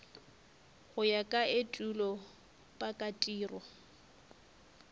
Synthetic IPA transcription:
ɣʊjakʼaetʼulɔ | pʼakʼatʼiːrɔ

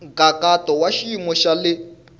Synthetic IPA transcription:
ɡakatɔwaʃimɔʃalɪ

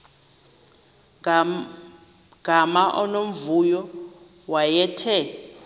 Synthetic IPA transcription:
ɡ̥ʱamaʔɔnom̩vujɔ | wajɛːtʰɛ

